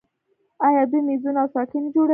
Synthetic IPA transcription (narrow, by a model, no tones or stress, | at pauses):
ajɑd̪imizunawsɑkind͡ʒoɽə